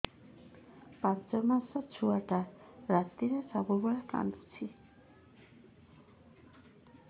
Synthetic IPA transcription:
pant͡ʃɔmasɔt͡ʃʰuaʈaɾat̪iɾesɔbubɔɭaka̰nd̪ut͡ʃʰi

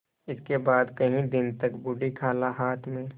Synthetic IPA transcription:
ɪskebaːd̪kɐɦĩd̪ɪnt̪ɐkbʊɖikʰaːlaɦaːt̪ʰmẽː

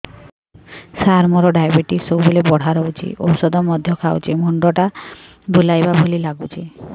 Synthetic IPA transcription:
saɾmɔɾɔɖajbeʈisowbulebɔɽ̤aɾɔut͡ʃʰḭʔo̰wsɔd̪ɔmɔd̪ʱjɔkʰawt͡ʃʰimɔɳɖɔʈa | bʱulajbabʱulilaɡut͡ʃʰi

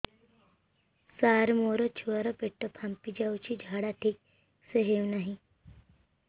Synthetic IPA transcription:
saːɾmoɾot͡ʃʰuaɾopeʈːopʰampid͡ʒaut͡ʃʰid͡ʒʱaːɽaʈʰiːk̚ | seɦeʋnaɦĩ

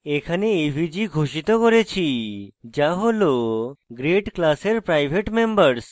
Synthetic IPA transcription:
ekʰaneeʋʱid͡ʒiɡʱoʃit̪ɔkɔɾet͡ʃʰid͡ʒaɦoloɡɾeʈklaseɾpɾajbʱeʈmembəɾs

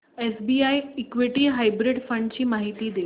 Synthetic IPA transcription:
esbiːajikʋiʈiɦajbɾiɖfə̃ɳɖt͡ɕiːmaɦit̪iːd̪e

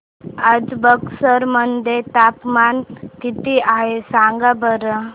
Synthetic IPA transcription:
əd͡ʒbəksəɾmənd̪et̪aːpmaːnkit̪iaɦesãːŋɡabəɾə

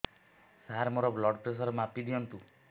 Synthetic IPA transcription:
saɦaɾmoɾɔblɔɖpɾes̬ɔɾmapid̪iɔnt̪u

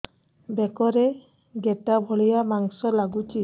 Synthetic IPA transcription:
bekɔɾe | ɡeʈabʱɔɭijamaŋsɔlaɡut͡ʃʰi

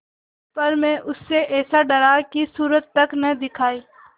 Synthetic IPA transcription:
pɐɾmɛ̃ːʔʊsːeʔɛːsaɖɐɾakisuːɾət̪ːɐknɐd̪ɪkʰaːiː

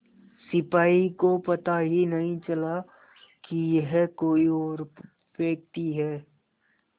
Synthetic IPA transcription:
sɪpaːikopɐt̪aɦinɐɦĩt͡ʃɐla | kijɛɦkoːiɔːɾ | ʋeːk̚t̪iɦɛː

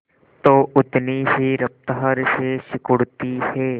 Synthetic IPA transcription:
t̪oːʔʊt̪niɦiɾɐp̚t̪əɦəɾseʃɪkʊɽt̪iheː

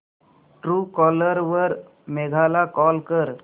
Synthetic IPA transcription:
ʈɾuːkɔːləɾʋəɾ | meɡʱaːlakɔːlkəɾ

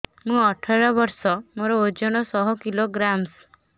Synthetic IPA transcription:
mũɔʈʰaɾɔbɔɾsɔmoɾɔod͡ʒɔɽ̃ɔsɔɦɔkiloɡɾams

